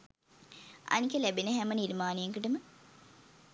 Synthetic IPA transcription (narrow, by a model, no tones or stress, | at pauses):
ɐ̰nikəlæbenəɦæməniɾmaːnejeŋkəʈəmə